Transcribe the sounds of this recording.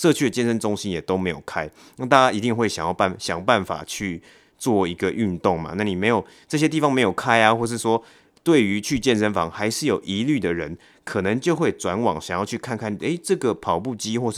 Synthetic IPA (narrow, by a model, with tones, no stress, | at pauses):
ʂɤ˥˧t͡ɕʰy˥˩d̪ə˨˩t͡ɕjɛ˥˧nʂə˦nʈ͡ʂʊ˥ŋɕi˦njɛ˨˩t̪o˥ʊme˧˥ɪjo˨˩ʊkʰa˦˥ɪ | na˥˧t̪a˥˧˩t͡ɕa˦˥i˧˥t̪i˥˧ŋxwe˥˩ɪɕjɑ˨˩ŋjɑ˥˧ʊpa˥˩ɕjɑ˨˩ŋpa˥˩nfa̰˨˩t͡ɕʰy˥˧ | t͡swɔ˥˩i˧˥ɡə˧ʔy˥˧nt̪o˥˩ŋma̰˨na˥˩ni˨˩me˧˥ɪjo˨˩ʊ | ʈ͡ʂɤ˥˧ɕ̬jɛ˥t̪̬i˥˩fɑ˨˦ŋme˧˥jo˨˩ʊkʰa˦˥ɪa˨xwɔ˥˧ʂ̬ɻ̩˥˩swɔ˦ | t̪we˥˩ɪy˧˦t͡ɕʰy˥˧t͡ɕjɛ˥˧˨nʂə˥nfɑ̰˧˥ŋxa˧˥ɪʂɻ̩˥˩jo˨˩ʊʔi˧˥ly˥˩d̪ə˩ɻə̰˧˦n | kʰɤ˨˩nə˨˦ŋt͡ɕjo˥˧ʊxwe˥˩ɪʈ͡ʂwa˧˥nwɑ̰˨˩ŋɕjŋjɑ˥˧t͡ɕʰy˥˧kʰa˥˨nkʰa˥˩n˨e˥˩ɪʈ͡ʂɤ˥˩ɡə˩pʰɑ˨˩ʊpu˥˧t͡ɕi˦˥xwɔ˥˧ʂ